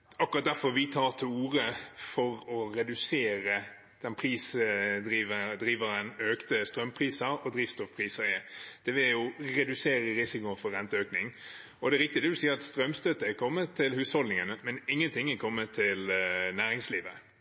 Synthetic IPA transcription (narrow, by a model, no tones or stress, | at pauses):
ɑkʉʁɑt̪̚d̪æfɔɾʋɪt̪ʰɑːʁt̪ʰɪluːɾəfɔɾɔɾɛd̪ʉseːɾə | d̪̥ɛnpʰɾiːsd̪ɾiːʋəd̪ɾiːʋəɾənøːkt̪əst̪ɾœmːpʰʁiːsəɾɔd̪ɾɪːft̪st̪ɔfpʰɾiːsəɾɪd̪̥ɛʋɪljʊɾɛd̪ʉseːɾəɾɪsɪkʊfɔɾʁɛnt̪əøːknɪŋ | ɔd̪ɛæɾɪk̚t̪ɪd̪ɛd̪ʉsiːəɾɑt̪st̪ɾœmst̪øt̪əɛkʰɔmːət̪ʰːɪlhʉːshɔlɪŋənəmɛnɪŋːənt̪ʰɪŋːɛkʰɔmːət̪ʰːɪlnæːɾɪŋsliːʋə